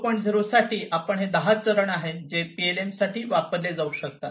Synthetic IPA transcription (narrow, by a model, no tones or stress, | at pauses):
pəɳd͡zəɾosaʈiːʔapəɳɦed̪əɦat͡səɾəɳaɦed͡zepielemsaʈiːʋapəɾled͡zauɕək̚t̪a